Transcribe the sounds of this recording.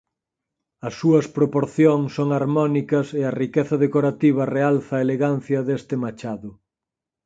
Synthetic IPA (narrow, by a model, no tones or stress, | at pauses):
ɐsːuɐspɾopoɾθjoŋsoŋaɾmɔnikɐseɐrikeθɐðekoɾat̪iβ̞ɐrealθɐːeleɣan̟θjɐðest̪ɪmat͡ʃaðʊ